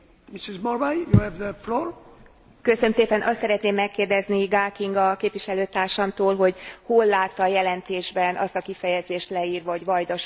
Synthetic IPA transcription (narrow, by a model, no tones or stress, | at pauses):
misizmɔɾbajjuhɛvðəfloːɹ | køsønømseːpɛnʔɒst̪sɛɾɛt̪neːmːɛkːeːrd̪ɛzniɡaːkiŋɡɒkeːpʋiʃɛløːt̪aːrʃɒmt̪oːlɦo̞ɟholːaːt̪ːɒjɛlɛnt̪eːʒbɛnʔɒ̰st̪ɒkifɛjɛzeːʃt̪lɛiːrʋɒɦoɟʋɒjd̪ɒʃ